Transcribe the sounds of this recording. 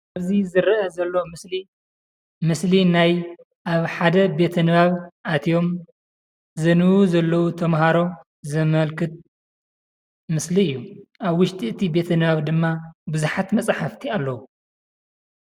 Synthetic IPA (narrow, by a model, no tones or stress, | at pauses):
aβzizɨɾʔɐzɐlːomɨsli | mɨslinaj | ʔaβħad̪ɐbe̞t̪ʰɐnɨβaβʔat̪ʰijo̞m | zɨnɨwuzɐlːɐwut̪ʰɐmɦaɾo̞ | zɐmɐlkʰɨt̪̚ | mɨsliɨjːuʔaβwʊʃt̪ʼiɨt̪ʰibe̞t̪ʰɐnɨβaβd̪ɨmːabɨzuħat̪mɐt͡sʼħaft̪ʰialːɐwu